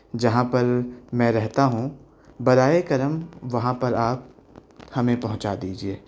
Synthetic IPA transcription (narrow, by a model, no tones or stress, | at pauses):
d͡ʒɐɦãpɐɾmɛ̃ːɾɛɦt̪aɦũ | bɐɾaːekɐɾəmʋɐɦãpɐɾaːp̚ | hɐmẽpɐɦʊ̃t͡ʃad̪iːd͡ʒieː